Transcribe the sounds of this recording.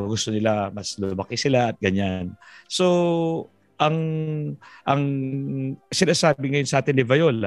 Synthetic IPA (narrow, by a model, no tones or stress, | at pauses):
ɡʊst̪o̞nɪlamɐslʊmɐkɪsɪlaɐt̪̚ɡɐɲanso̞ | ʔɐŋ | ʔɐŋ | sɪnaːsaːbɪŋɐjonsɐʔaːt̪ɪnːɪvɐjo̞la